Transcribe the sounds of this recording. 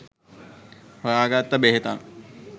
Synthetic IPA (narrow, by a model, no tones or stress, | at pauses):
hojaːɡat̪ːəbeɦet̪an